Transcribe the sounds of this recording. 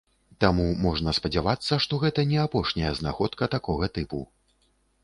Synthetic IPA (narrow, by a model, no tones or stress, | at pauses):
t̪amumɔʐnɐspɐd͡zʲavat̪sːɐʂt̪ɔɣɛt̪ɐnʲɛapɔʂnʲɐjɐzna̰xɔt̪kɐt̪akɔɣɐt̪ɨpṵ